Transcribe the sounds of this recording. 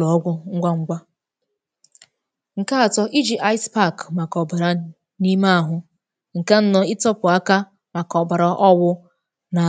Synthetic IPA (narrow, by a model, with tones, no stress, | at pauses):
ɔ˨ɔ˦ɡʷʊ˦ŋ̩˦ɡʷa˦ŋ̩˦ɡʷa˦ | ŋ̩˨ka˦a˨tɔ˦ʔi˦d͡ʒi˨ʔa˦jspa˦˨kma˨kɔ˨ba˨ɾa˨ | ni˦ma˦a˨ɦʊ˦ | ŋ̩˨ka˦n̩˦nɔ˦ɪ˦tɔ˦pʊ˨a˦ka˦ | ma˨kɔ˨ba˨ɾa˨ʔɔ˦wʊ˦ | na˨